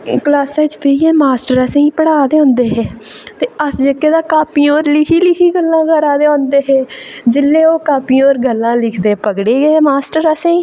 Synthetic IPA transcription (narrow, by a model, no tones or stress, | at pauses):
klaːsaːt͡ʃpeːiɛːmaːsʈəɾəsẽːĩːpəɽaːd̪eːõːnd̪eːɦɛː | t̪eːəsd͡ʒekːeːd̪aːkaːpiːoːɾlɪkʰiːlɪkʰiːɡəlːãːɡəɾaːd̪eːõːnd̪eːɦɛːd͡ʒɪlːẽːoːkaːpioːɾɡəlːãːlɪkʰd̪eːpəɡɽeːɡɛːmaːsʈəɾəsẽĩː